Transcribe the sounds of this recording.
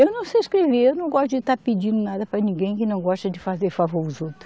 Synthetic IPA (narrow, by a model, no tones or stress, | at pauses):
ewnɐ̃w̃seskɾeviewnɐ̃w̃ɡɔʃt̪ʊd͡ʒɪt̪aɾpid͡ʒĩnd̪ʊnad̪ɐpɾɐnĩɡẽj̃kɪnɐ̃w̃ɡɔʃt̪ɐd͡ʒɪfazeɾfavoɾʊzowt̪ɾʊ